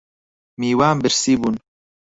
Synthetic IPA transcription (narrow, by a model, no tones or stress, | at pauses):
miːwaːmbɪɾsiːbun